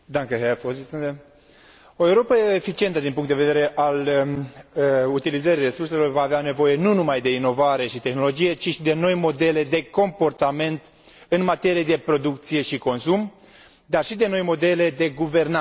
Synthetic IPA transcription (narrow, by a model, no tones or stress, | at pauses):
d̪aŋkəɦefozisɨnd̪e | o̞euɾo̞pəefit͡ʃie̞nt̪əd̪inpuŋkt̪d̪eveeɾe̞ʔal | ut̪ilizəɾijre̞surse̞lo̞rvaːveane̞vo̞je̞nunumajd̪e̞ino̞vaɾe̞ʃit̪e̞xno̞lo̞d͡ʒije̞t͡ʃiʃid̪e̞no̞jmo̞d̪e̞le̞d̪e̞ko̞mpo̞rt̪ame̞nt̪ | ɨnmat̪e̞ɾijed̪e̞pɾo̞d̪ukt̪sije̞ʃiko̞nsum | d̪arʃid̪e̞no̞jmo̞d̪e̞le̞d̪e̞ɡuve̞rna